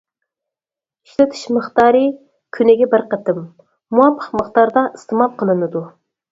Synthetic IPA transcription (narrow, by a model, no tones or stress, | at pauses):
iʃlɪt̪ʰɪ̥ʃmɨχt̪ɑːɾɨ | kʲʰynɪɡʲɛbɪɾqət̪ʰɪmː | uɑmpʰə̥qməχt̪ɑɾd̪ɑʔist̪ʰɨmɑp̚qʰəlˠɨnɨd̪u